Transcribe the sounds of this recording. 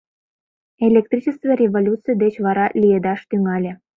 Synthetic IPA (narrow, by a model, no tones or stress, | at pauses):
elʲek̚t̪ɾit͡ɕest̪verʲevolʲut̪t͡sɨjd̪et͡ɕβɑɾɑlʲijed̪ɑʃt̪yŋælʲĕ